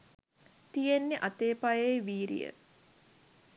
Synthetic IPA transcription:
t̪ijenːeʔat̪eːpajejʋiːɾḭjə̰

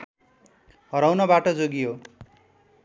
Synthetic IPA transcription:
ɦʌɾawnʌbaʈʌd͡zoɡijo

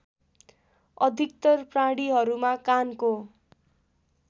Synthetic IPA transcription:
ʌd̪ʱik̚t̪ʌrpraɽiɦʌɾumakanko

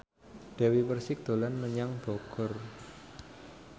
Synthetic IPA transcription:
ɖ̥a̤wipərsɪk̚d̪̥o̤lanməɲaŋb̥ɔɡ̥ɔ̤r

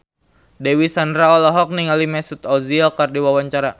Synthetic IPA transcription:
dewisandɾaɔlaɦɔk̚niŋalimɛsut̪ɔziɔkardiwawaɲt͡ʃaɾa

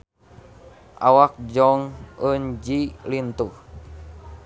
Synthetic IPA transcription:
ʔa̰wak̚d͡ʒɔŋənd͡ʒilint̪u

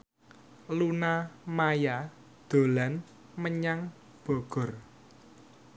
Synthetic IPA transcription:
lunamaja | d̪̥o̤lan | məɲaŋ | b̥ɔɡ̥ɔ̤r

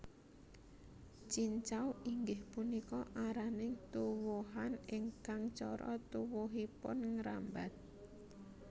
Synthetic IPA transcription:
t͡ʃiɲt͡ʃawiŋɡɪhpunikɔʔaɾanɪŋt̪uwuɦanɪŋkaŋt͡ʃɔɾʔɔ̰t̪uwuɦipʊ̰nŋɾa̰mbat̪̚

